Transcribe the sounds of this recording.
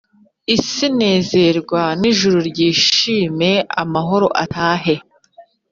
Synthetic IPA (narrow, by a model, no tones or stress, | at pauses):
isine̞ːze̞ɾɡwaniʒuɾuɾɟiːʃiːme̞a̰maɦo̞ɾo̞ʔataːɦe̞